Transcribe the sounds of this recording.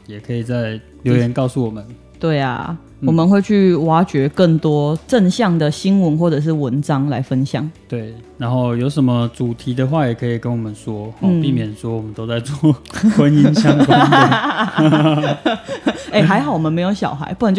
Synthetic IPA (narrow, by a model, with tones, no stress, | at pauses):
jɛ˨˩kʰə˧˥i˨˩t͡sa˥˩ɪ | ljo˦˧ʊjɛ˧˦nkɑ˥˧ʊsu˥˩wɔ˨˩mə˦n | t̪we˥˩ɪa̰˩ | wɔ˨mə˨nxwe˥˧ɪt͡ɕʰy˥˩wa˥t͡ɕɥɛ˧˥kə˥˩ŋt̪wɔ˥ʈ͡ʂə˥˨˧nɕjɑ˥˩ŋd̪ə˩ɕi˥nwə˧˦nxwɔ˥˩ʈ͡ʂɤ˨˩ʂ̬ɻ̩˥˩wə˧˦nʈ͡ʂɑ˦ŋla˧˥ɪfə˦˥nɕjɑ̰˨˩˦ŋt̪we˥˩ɪna˧˦nxo˥˩ʊjo˧˥ʊʂə˧˦nmə˧t͡su˨˩t̪ʰi˨˥d̪ə˨xwa˥˩jɛ˨˩kʰə˧˦i˨˩kə˦nwɔ˨˩mə˦nswɔ˦hpi˥˩mjɛ˨˩nswɔ˥wɔ˨˩mə˨˦nt̪o˥t͡sa˥˧ɪt͡swɔ˥˩wə˦ni˦nt͡ɕʰjɑ˥ŋʰ˥˨ | e˥˩ɦa˧˥ɪxɑ˨˩ʊwɔ˨˩ə˦nme˧˥ɪjo˧˥ʊɕjɑ˨˩ʊxa̰˧˦ɪpu˥˩ə˨˦t͡ɕ